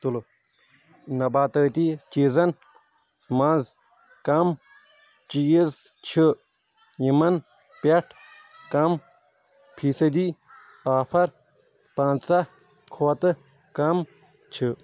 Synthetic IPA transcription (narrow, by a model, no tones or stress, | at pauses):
t̪ul | nɐbaːt̪ɐːt̪it͡ʃiːzɐn | mãːz | kɐm | t͡ʃijiz | t͡ʃʰi | jimɐn | pʲeʈʰ | kɐm | pʰiːsɐd̪iː | aːpʰɐɾ | pãːnt͡sɐ | kʰoːt̪ɨ | kɐm | t͡ʃʰɨ